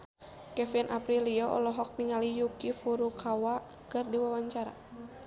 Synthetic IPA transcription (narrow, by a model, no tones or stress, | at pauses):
kɛfinʔapɾiliɔʔɔ̰lɔɦɔk̚niŋalijukifuɾukʰawa | kɨrdiwawaɲt͡ʃaɾa̰